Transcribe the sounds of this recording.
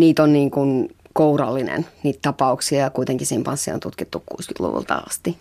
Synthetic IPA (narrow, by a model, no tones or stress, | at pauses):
niːt̪onniːŋkun | kourɑ̰lːinḛnniːt̪t̪ɑpɑuksiɑjɑkuit̪eŋkisihempɑnsːio̰nt̪ut̪kit̪ːukkuːsky̥t̪lṵʋṵlt̪ɑ̰ɑ̰st̪i